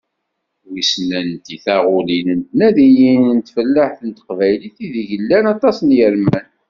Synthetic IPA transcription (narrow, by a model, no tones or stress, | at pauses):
wisnænt̪iθæʁʊlinənt̪næðijinənt̪fəlːaħθənt̪ə̥qvæjliθiðiʝəlːænɑt̪ˤɑsnjəɾmæn